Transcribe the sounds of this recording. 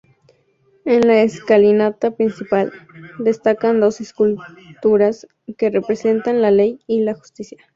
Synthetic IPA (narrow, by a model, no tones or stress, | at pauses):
e̞nlaeskalinat̪apɾinsipald̪e̞st̪akand̪o̞seskult̪uɾas | ke̞repɾe̞se̞nt̪anlale̞jilaxu̥st̪isja